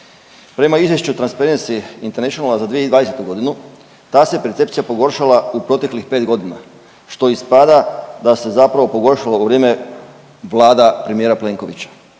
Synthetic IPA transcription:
pɾe̞maizʋje̞ʃt͡ɕut̪ɾanspaɾensiint̪eneʃionalazad̪ʋieid̪ʋaːd̪eset̪uɡo̞d̪inu | t̪aːsepe̞ɾt̪se̞pt̪sijapo̞ɡo̞ɾʃalaupɾo̞t̪e̞klixpeːt̪ɡo̞d̪ina̰ | ʃt̪o̞ispad̪ad̪ase̞zapɾaʋo̞po̞ɡo̞ɾʃalauʋɾjeːme̞ | ʋlˠaːd̪apɾe̞mijeɾaple̞ŋko̞ʋḭt͡ɕḁ

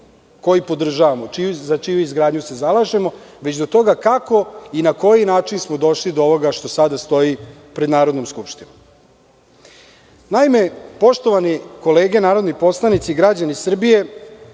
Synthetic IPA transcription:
ko̞jipo̞d̪r̩ʒaːʋamo̞t͡ʃiuzat͡ʃijuizɡɾaːd̪ɲuse̞zalˠaʒemo̞ | ʋet͡ɕd̪o̞t̪o̞ɡakako̞inako̞jinaːt͡ʃinsmo̞d̪o̞ʃlid̪ooʋo̞ɡaʃt̪o̞sad̪ast̪o̞ji | pɾe̞d̪naːɾo̞d̪nomskupʃt̪inom | naime̞po̞ʃt̪o̞ʋaniko̞leːɡe̞naːɾo̞d̪nipo̞slˠanit̪siɡɾad͡ʑanisr̩bije̞

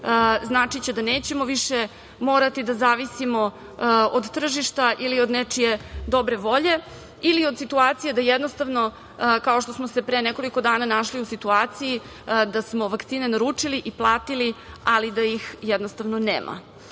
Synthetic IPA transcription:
znaːt͡ʂit͡ɕed̪aneːt͡ɕe̞mo̞ʋiʃe | mo̞ːɾat̪id̪azaːʋisimo̞ | od̪t̪r̩ʒiʃt̪aʔilio̞d̪net͡ʂije̞d̪o̞bɾe̞ʋo̞ʎe̞ | iliod̪sit̪uaːt̪sijed̪ajɛd̪nost̪aʋno̞ | kaoʃt̪o̞smose̞pɾeneko̞liko̞d̪aːnanaʃliusit̪uaːt̪siji | d̪asmo̞ʋakt̪siːne̞naɾut͡ʂiliʔiplˠaːt̪ilialid̪ajixjɛd̪nost̪aʋnoneːmʔa̰

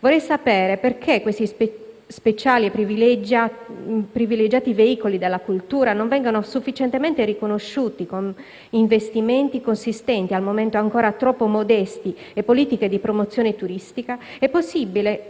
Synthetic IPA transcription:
vorːɛjsapɛːɾeperkʰekːwest̪is | spet͡ʃaːliepːɾiviled͡ʒapɾiviled͡ʒaːt̪iveiːkolid̪elːakult̪uːɾanoɱvɛŋɡonosufːit͡ʃent̪ement̪eɾikonoʃːuːt̪ikon | iɱvest̪iment̪ikonsist̪ɛnt̪ialmoment̪oaŋkoːɾat̪ɾɔpːomod̪ɛst̪i | epːoliːt̪iked̪ipɾomot̪sːjoːnet̪uɾist̪ikaɛpːosːibile

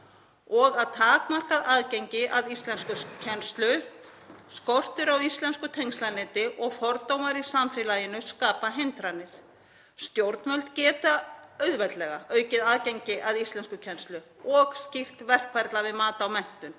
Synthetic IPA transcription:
ɔɣaðt̪ʰaːkmar̥kaðaðceɲcɪʔaðist̪lɛnskʏcʰɛnst̪lʏ | skor̥t̪ʏɾawist̪lɛnskʏt̪ʰejŋst̪lanɪːt̪ɪʔɔɣfɔɾt̪owmaɾisamfɪlajɪnʏskaːpaɦejnt̪ɾanːɪɾ̥ | st̪jowɾt̪nvœlt̪cɛːt̪aœɥðvɛt̪lɛɣaʔœːɥcɪðaðceɲcɪʔaðist̪lɛnskʏcʰɛnst̪lʏɔɣscir̥t̪vɛr̥kvɛɾt̪lavɪðmaːt̪aawmɛn̥t̪ʏn

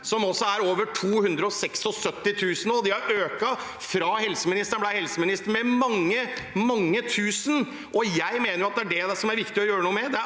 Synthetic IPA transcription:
sɔmɔsːɔæɾoːʋəʈʰuːhʉnd̪ɾəɔsɛksɔsœt̪ːɪt̪ʰʉːsənɔd̪ɪhɑɾʔøːkɑ | fɾɑhɛlsəmɪnɪst̪əɳblæɪhɛlsəmɪnɪst̪əmɛmɑŋːəmɑŋːət̪ʰʉːsən̩ | ʔɔjæɪmeːnəɾjʊɑt̪̚d̪ɛæɖɛd̪ɛsɔmæɾʋɪkt̪ɪɔjøːɾənuːmɛd̪ɛ

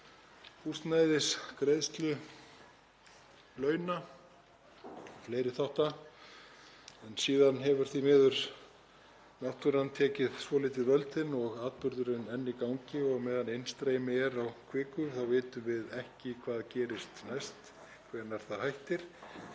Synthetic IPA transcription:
ust̪najðɪskɾejðst̪lʏ | lœːɥna | fleːjɾɪθawht̪a | ɛnsiːðanɦɛvʏɾ̥θimɛːðʏɾ̥ | nawht̪uɾant̪ʰɛːcɪðsvɔːlɪːt̪ɪrœlt̪ɪnɔɣaːt̪pʏɾðʏɾɪnɛnːikawɲcɪɔɣmɛːðanejnst̪ɾeːjmɪɛɾawkʰvɪːkʏθawvɪːt̪ʏmvɪðɛhcɪkʰvaːðcɛːɾɪst̪najst̪ | kʰvɛːɾnaɾ̥θaðhajht̪ɪɾ̥

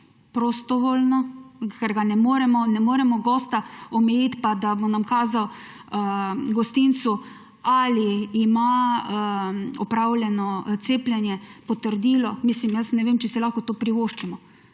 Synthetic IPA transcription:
pɾost̪ɔʋoːlnɔkɛɾɡanɛmoːɾɛmɔnɛmoːɾɛmɔɡɔːst̪aɔmɛjiːt̪pad̪abonamkaːzaw | ɡɔst̪int̪su | aliːma | ɔpɾawlʲjɛnɔt̪seːplʲɛnjɛpɔt̪əɾd̪iːlɔmislimjəsnɛʋeːmt͡ʃɛsɛlaːxkɔt̪oːpɾiʋoʃt͡ʃimɔ

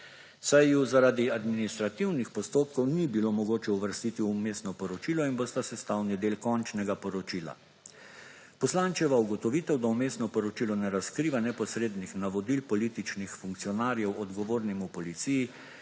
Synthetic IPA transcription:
sajuzaɾaːd̪iad̪minist̪ɾat̪iwnixpɔst̪oːp̚kɔwnibilomɔɡoːt͡ʃɛuʋəɾst̪it̪iumeːsnɔpɔɾɔt͡ʃiːlɔinbost̪asɛst̪awnid̪eːlkɔnt͡ʃnɛɡapɔɾɔt͡ʃila̰ | pɔslaːnt͡ʃɛʋauɡɔt̪ɔʋit̪ɛwd̪aumeːsnɔpɔɾɔt͡ʃilɔnɛɾaskɾiːʋanɛpɔsɾeːd̪nixnaʋɔd̪ilpɔlit̪it͡ʃnixfuŋk̚t̪sijɔnaːɾjɛwɔd̪ɡɔʋoːɾnimupɔlit̪siji

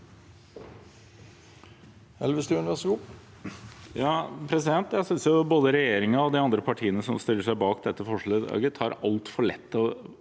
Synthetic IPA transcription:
ɛ̰lʋəst̪ʉʉnəʋɛsəɡuː | jɑːpʰɾɛsɪd̪ɛnt̪jæɪsʏnsjʊboːd̪əɾɛjeːɾɪŋɑɔd̪ɪɑnd̪ɾəpʰɑʈʰiːənəsɔmst̪ɪlːəʂæɪbɑːkd̪ɛt̪ːəfɔʂɭɛɑ̰ɡət̪ʰɑːɾɑlt̪fɔɭɛ̰t̪ːɔ

